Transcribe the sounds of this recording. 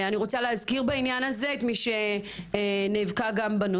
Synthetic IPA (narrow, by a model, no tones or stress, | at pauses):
aniʁo̞t͡saleazkiʁbainjanaze̞et̪miʃe̞ | neːvkaɡambano